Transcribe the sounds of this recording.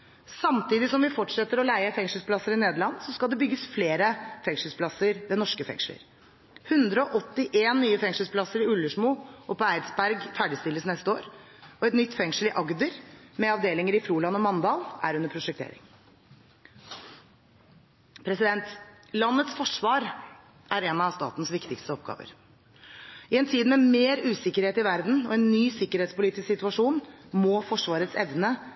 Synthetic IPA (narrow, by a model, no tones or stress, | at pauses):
sɑmt̪iːd̪ɪsɔmʋɪfɔʈʂɛt̪ːəɾɔlæɪəfɛŋʂəl̩spʰlɑsːəɾɪneːd̪əɭɑnːsɔskɑld̪ɛbʏɡːəsfleːɾəfɛŋʂəl̩spʰlɑsəɾʋɛnɔʂkəfɛ̰ŋʂələ̰ɾ | hʉnd̪ɾəɔʔɔt̪ːɪʔeːnːyːəfɛŋʂəlspʰlɑsəɾɪʉlːəʂmuːʔɔpɔæɪd̪sbæɾɡfæɖɪst̪ɪlːəsnɛst̪əoːɾ | ɔɛt̪nʏt̪ːfɛŋʂəlɪʔɑɡd̪əɾmɛɑʋd̪eːlɪŋəɾɪfɾuːlɑnːɔmɑnd̪ɑːlæ̰ɾʉnːəɾpʰɾʊʂɛkt̪ʰḛːɾɪ̰ŋ | pʰɾɛsɪd̪ɛnt̪ | lɑnːət̪sfɔʂʋɑːɾ | ʔæɾɛːnɑʋst̪ɑ̰ːt̪n̩sʋɪkt̪ɪkst̪əɔpɡɑ̰ːʋə̰ɾ | ɪɛnt̪ʰiːd̪mɛmeːɾʉːsɪkːəɾheːt̪ɪʋæɾd̪n̩ɔ̰ɛnːyːsɪkːəɾheːt̪spʊliːt̪ɪsksɪt̪ʉɑʂuːnmɔfɔʂʋɑːɾət̪sɛʋnə